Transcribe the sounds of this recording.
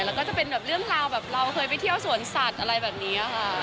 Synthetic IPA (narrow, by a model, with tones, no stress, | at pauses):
lɛː˦˥wkɔː˥˩t͡ɕa˨˩pe˧nbɛː˨˩p̚ɾɯ˥˩əŋɾaː˧wbɛː˨˩p̚ɾa˧wkʰɤː˧jpa˧˩jt̪ʰi˥˩əwsu˨˩˦ənsa˨˩t̪̚ʔa˧ɾa˧jbɛː˨˩p̚niː˦˥ʔa˧˩kʰa˥˩